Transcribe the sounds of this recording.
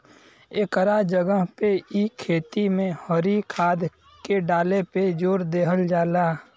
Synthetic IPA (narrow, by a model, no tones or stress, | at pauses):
eːkəɾad͡ʒəɡəɦpeʔikʰeːt̪imẽhɔɾikʰaːd̪ | keɖaːleped͡ʒoːɾd̪eːɦəld͡ʒaːlaː